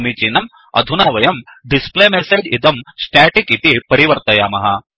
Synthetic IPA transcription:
mit͡ʃiːnɐm | ɐ̰d̪ʱunaːʋɐjɐmɖispleːmeseːd͡ʒit̪ɐmsʈɛːʈikit̪ipɐɾiʋɐɾt̪ɐjaːmɐɦɐ

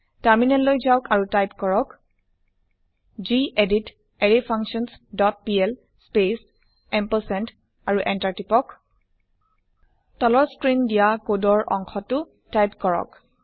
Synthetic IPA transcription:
taɹminɛlːojzawkaɹutajpkɔɹɔk | d͡ʒiʔedit | eɹipʰaŋksɔnsdɔt̚piɛl | spes | ɛmposɛnt | aɹuʔɛntaɹtipɔk | tɔlɔɹskɹindijakodɔɹʔɔŋxʰɔtʊ | tajpkɔɹɔ̰k

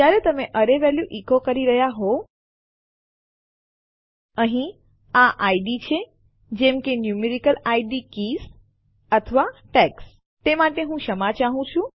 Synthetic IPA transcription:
jaɾet̪əmeʔəɾeʋɛljuʔikokəɾiɾəɦjaɦo | əɦĩ | aʔaiɖit͡ʃʰe | d͡ʒemkenjumeɾikəlaiɖikis | ət̪ʰəʋaʈɛks | t̪emaʈeɦũʃəmat͡ʃaɦũt͡ʃʰũ

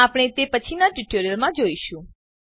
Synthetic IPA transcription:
apɽ̃et̪epət͡ʃʰinaʈuʈoɾijəlmãd͡ʒoiʃũ

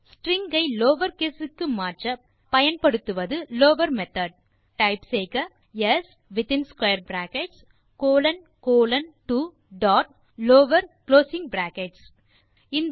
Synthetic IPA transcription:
sʈɾɪŋɡɐɪloːʋɐɾkeːsɯkːɯmaːt͡ʃɐ | pɐjɐnpɐɽɯt̪ːɯʋɐðɯloːʋɐɾmɛt̪ɐɖ̚ | ʈɐɪpseɪkɐ | jɛs | ʋɪt̪ɪnskwɐjɐɾbɾaːkɛʈs | koːlɐn | koːlɐnʈu | ɖɔːʈ̚ | loːʋɐɾkloːsɪ̃ŋ̚bɾaːkɛʈs | ɪnd̪

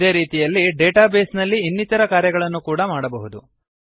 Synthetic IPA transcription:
d̪e̞ːɾiːt̪ijɐlːiɖeːʈaːbe̞ːsnɐlːiːnːit̪ɐɾɐkaːɾjɐɡɐɭɐnːukuːɽɐmaːɽɐbɐɦud̪ṵ

